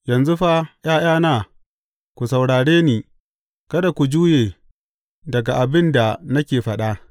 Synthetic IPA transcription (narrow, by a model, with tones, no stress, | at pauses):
jɐ˨nzu˦ɸa˦j̰aː˦j̰aː˦naː˦˨ | kʷu˨sa˨wɽaː˨ɽeː˦niː˨ | kɐ˦da˨kʷu˨d͡ʒuː˦jeː˨ | dɐ˨ɡa˨ʔa˨bɪ˦nda˨nɐ˦kʲeː˨ɸɐ˦ɗa˦ʔ